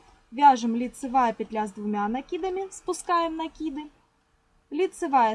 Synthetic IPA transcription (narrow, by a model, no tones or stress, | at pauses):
ʋʲaʒɪmlʲit̪sɪʋɑjɛpʲid̪ʲlʲazd̪ʋʊmʲanɐkʲid̪ɐmʲɪspʊskɑjemnɐkʲid̪ɪ | lʲit̪sɪʋɑjɛ